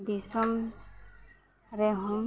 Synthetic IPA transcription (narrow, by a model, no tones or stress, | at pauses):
d̪isɔm | ɾɛɦum